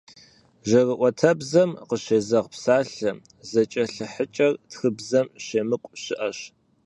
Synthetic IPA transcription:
ʒɐrɨʔʷɔtʰɐbzɐmqəɕeːzɐʁpsaːɬɐ | zɐt͡ʃʼɐɬɨħət͡ʃʼɐrtxɨbzɐmɕeːmɨkʷʼɕɪʔɐɕ

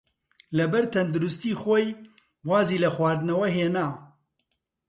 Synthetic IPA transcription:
lɐbɛɾt̪ʰɐnd̪uɾʊst̪iːxoːj | waːziːlɐxwaːd̪ɨnɐwɐɦeːnaː

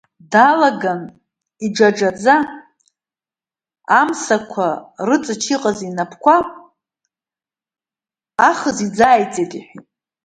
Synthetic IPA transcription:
dalaɡan | id͡ʒaʈ͡ʂad͡za | msakʷʰarɨt͡sʼɨt͡ʃʰiqʼazinapʰkʷʰapʼ | aχəzid͡zajt͡sʼetʼiħʷitʼ

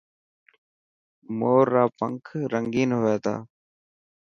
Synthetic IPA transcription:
moːɾːaːpəŋkʰɾəŋɡiːnɦoeːt̪ʰa̰ː

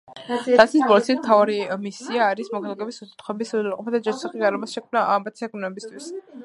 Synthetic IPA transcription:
at̪sʰisbɔlt̪sʰismt̪ʰavaɾimisiaːɾismɔkʰalaɡɛbisusʰt̪χʰɔɛbisualqʼɔpʰad̪ad͡ʒɛɾsʰaχiɡaɾamasʃɛkʰmnaʔambat̪sʰiaɡnɛbist̪ʰwis

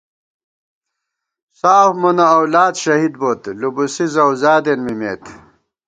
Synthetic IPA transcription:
saːfmunɐɐwlaːd̪ɕɐɦid̪bot̪lubusizɐwzaːd̪enmimḛːt̪

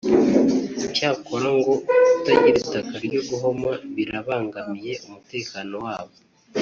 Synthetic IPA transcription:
caːko̞ɾaŋɡo̞utaɟiɾitakaɾɟoɡuɦo̞maβiɾaβaːŋɡamije̞umute̞ːkaːno̞waːβo̞

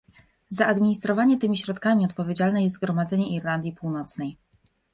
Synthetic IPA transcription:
zaʔad̪mʲiɲist̪ɾɔvaɲɛt̪ɘmʲiɕɾɔt̪kamʲiɔt̪̚pɔvʲjed͡ʑalnɛjɛst̪ɡɾɔmad̪zɛɲɛʔiɾland̪ʲjipuwnɔt̪snɛj

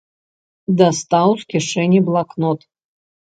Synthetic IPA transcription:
d̪ast̪awskʲiʂɛnʲiblˠaknot̪

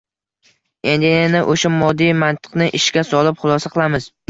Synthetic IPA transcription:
e̞nd̪ɪnɪʔoʃamɒd̪ːijmant̪ʰɨ̥qnɪʔɪʃkʲasɒlˠɪpχʊlˠɒsaqʰɨlˠamɪz̥

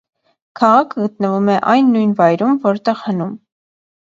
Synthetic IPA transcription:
kʰɑʁɑkʰəɡət̪nəvumɛʔɑjnːujnvɑjɾumvɔɾt̪ɛʁhənum

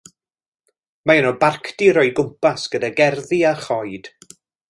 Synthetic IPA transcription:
maɛnɔbarkʰdiɾɔjɡʊmpasɡ̥ədaɡɛrðiarχɔjd̥

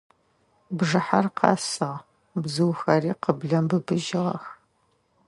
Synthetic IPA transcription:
bʐɨħarqʰɑ̰ːsɨʁ | bzɨwxɐriːqəbɮɐmbɨbɨʒɪʁɐ̰x

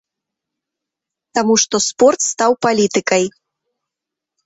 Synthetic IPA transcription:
t̪amuʂt̪ɔspɔrt̪st̪awpalʲit̪ɨkɐj

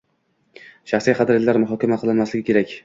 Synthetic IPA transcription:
ʃaχsijqʰɑd̪ɾɪt̪lːaɾmʊɦɒkʲamaqʰɨlˠɪnmaslɪɡʲɪkʲʰe̞ɾakʲ

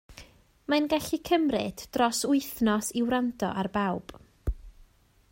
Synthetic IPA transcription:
manɡaɬikʰəmrɨd̥rɔsʊɨθnɔsiwɾandʰɔ̰ʔarbawb̥

